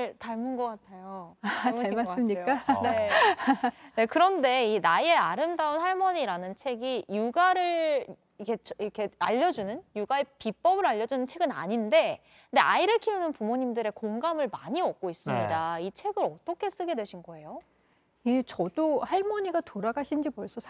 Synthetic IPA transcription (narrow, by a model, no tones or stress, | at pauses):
ɭtaɭmunɡʌk͈atʰajoamas͈ɯmɲik͈ane̞ | ne̞kɯɾʌnde̞inae̞aɾɯmdaonhaɭmʌɲiɾanɯnt͡ɕʰe̞ɡijuɡaɾɯɭ | ikʰe̞t͡ɕikʰe̞aʎːʌd͡ʑunɯnjuɡaepip͈ʌbɯɾaʎːʌd͡ʑunɯnt͡ɕʰe̞ɡɯna̰ɲinde̞ | nde̞ʔa̰iɾɯɭkʰiunɯnpumoɲimdɯɾe̞koŋɡamɯɭmaɲiʌk̚k͈ois͈ɯmɲidait͡ɕʰe̞ɡɯɾʌt͈ʌkʰe̞s͈ɯɡe̞dwe̞ɕʰinɡʌe̞jo | jet͡ɕʌd̥ohaɭmʌɲiɡatoɾaɡaɕʰind͡ʑipoɭs͈ʌs